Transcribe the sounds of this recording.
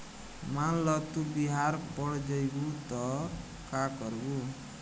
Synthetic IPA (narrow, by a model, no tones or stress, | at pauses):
malɔt̪ubiɦaɾpɔɽd͡ʒɔjbut̪ɔ | kakɔɾbu